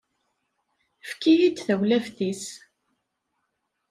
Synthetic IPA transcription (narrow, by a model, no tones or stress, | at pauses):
fkijit͡sːθæwlæfθis